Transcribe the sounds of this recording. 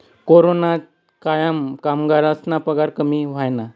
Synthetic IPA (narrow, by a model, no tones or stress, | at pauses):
koɾona | kajamkamɡaɾasnapəɡaɾkəmiʋ̤ajna